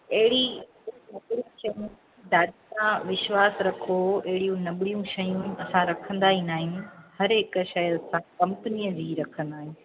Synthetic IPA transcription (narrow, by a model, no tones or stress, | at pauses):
ɐɦɪɽĩ | nɐbɽijũʃɐjũ | d̪aːdisãʋɪʃʋaːsɾɐkʰoɐɦɪɽijũnɐɓɪɽijũʃɐjũɐsãɾɐkʰə̃nd̪aːɦinaːɦɪnɪ̆hɐɾɦɪkʃɐjɐsãkɐ̃mpəniːəd͡ʑiːɾɐkʰə̃nd̪aːɦɪ̃n